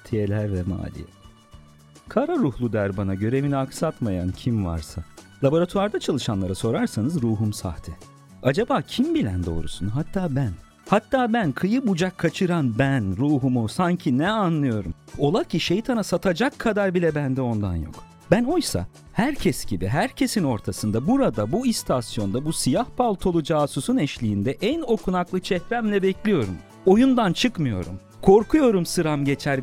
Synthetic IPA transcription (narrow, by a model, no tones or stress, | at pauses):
t̪ʰijelʲæɾvɛma̰ːlʲḭjɛ̰ | kʰaɾaɾuhlˠud̪æɾbanaɟø̞ɾe̞viniaksat̪maja̰ncʰimva̰ɾsa̰lˠabo̞ɾat̪ʰuaɾd̪at͡ʃʰalˠɯʃanlˠaɾaso̞ɾaɾsanɯzɾuːɦumsa̰ht̪ʰɛ | ad͡ʒabaːcʰimbilʲænd̪o̞̰ːɾṵsunɦat̪ʰːaːbæn | hat̪ʰːaːbænkʰɯjɯbud͡ʒakʰːat͡ʃʰɯɾanbænɾuːɦumusaɲcʰinɛanlˠɯjo̞ɾumo̞lˠacʰiʃejt̪ʰanasat̪ʰad͡ʒakʰːad̪aɾbilʲɛbænd̪ɛo̞nd̪a̰njo̰k | b̥æno̞jsa̰ | hæɾcʰɛsɟ̥ibḭɦæɾcʰe̞sino̞ɾt̪ʰasɯnd̪abuɾad̪abuist̪ʰasijo̞nd̪abusijahpʰalˠt̪ʰo̞lˠud͡ʒaːsusunɛʃlʲijːnd̪ɛʔæno̞kʰunaklˠɯt͡ʃʰɛhɾæmlʲɛbɛclʲijo̞ɾṵm | o̞jund̪ant͡ʃʰɯkmɯjo̞̰ɾum | kʰo̞ɾkʰujo̞ɾumsɯɾamɟe̞t͡ʃʰæɾ